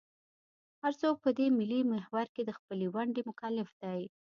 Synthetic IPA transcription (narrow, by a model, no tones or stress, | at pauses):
haɾt͡sopəd̪emɪlimehwaɾked̪əxpəlewaɳɖemʊkalɪfd̪̥aj